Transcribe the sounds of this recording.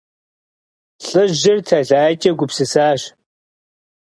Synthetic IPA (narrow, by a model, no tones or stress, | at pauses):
ɬʼɨʑɪrtʰɐɮaːt͡ʃʼɐɡʷʊpsɨsaːɕ